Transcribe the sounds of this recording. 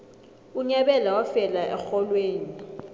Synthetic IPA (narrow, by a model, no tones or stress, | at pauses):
uɲɛɓɛlawafɛlaʔɛxɔlweːni